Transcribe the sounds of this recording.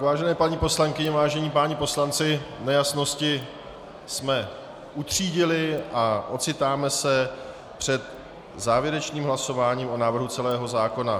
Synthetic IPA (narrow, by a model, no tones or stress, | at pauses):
vaːʒɛnɛːpaɲɪpo̞slaŋkɪɲɛvaːʒɛɲiːpaːɲɪpo̞slant͡sɪnɛjasno̞scɪ | smɛ | ʔut̪r̝̥iːɟɪlɪʔaʔo̞t͡sɪt̪aːmɛsɛ | pr̥ɛt̪ | zaːvjɛɾɛt͡ʃɲiːmɦlaso̞vaːɲiːmo̞naːvr̩ɦut͡sɛlɛːɦo̞zaːko̞na